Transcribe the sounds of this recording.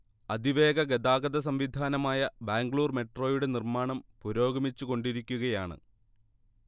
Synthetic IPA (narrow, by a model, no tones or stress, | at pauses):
ɐd̪ʱiʋe̞ːɡɐɡed̪aːɡɐd̪ɐs̬ɐmʋid̪ʱaːnɐmaːjɐbaːŋɡɭuːrme̞ʈro̞ːjuɽe̞nirmaːɳɐmpuɾoːɡɐmit͡ɕːuko̞ɳɖiɾikʲːuɣɐjaːɳɨ̰